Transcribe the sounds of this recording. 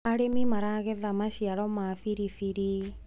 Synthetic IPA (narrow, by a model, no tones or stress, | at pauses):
aɾemimaɾaɣɛðamaʃiaɾɔmafiɾifiɾi